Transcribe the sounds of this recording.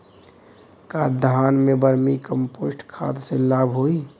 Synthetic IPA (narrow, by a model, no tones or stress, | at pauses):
kaːɾd̪ʱaːnmẽbəɾmikəmpoːsʈkʰa̰ːt̪selaːbʱɦoːi